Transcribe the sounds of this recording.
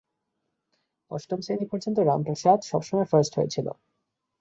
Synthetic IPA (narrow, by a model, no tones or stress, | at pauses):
ɔʃʈomsenipɔɾd͡ʑont̪oɾampoʃat̪ʃɔbʃɔmɔefaɾsʈɦojḛt͡ɕʰilo̰